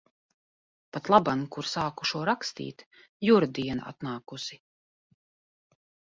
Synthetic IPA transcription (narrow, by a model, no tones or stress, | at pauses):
pat̪lˠabankuɾsaːku̥ʃuɔɾakst̪ḭːt̪juɾd̪iɛna̰a̰t̪naːkusi